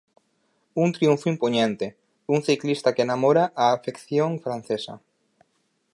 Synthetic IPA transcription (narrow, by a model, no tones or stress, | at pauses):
uŋt̪ɾiuɱfoimpoɲẽnt̪e | uŋθiklist̪akeːnamoɾaʔaːfekθjoŋfɾan̟θesɐ̰